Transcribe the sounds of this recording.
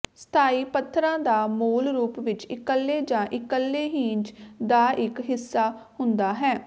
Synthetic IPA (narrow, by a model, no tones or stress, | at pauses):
st̪ʰaːiːpət̪ʰːɾãːd̪aːmoːlɾuːpʋɪt͡ʃɪkəlːeːd͡ʒãːʔɪkəlːeːɦiːnd͡ʒd̪aːʔɪkɦɪsːaːhʊnd̪aːɦɛː